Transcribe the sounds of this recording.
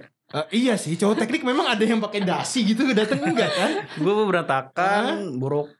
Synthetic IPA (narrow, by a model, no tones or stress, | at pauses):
ʔəʔijasɪht͡ʃaɦɔt̪ɛk̚nɪk̚memaŋadajaŋpakedasiɡit̪̬uɡdat̪əŋŋɡakanɡuaməməɾat̪akanbuɾɔk̚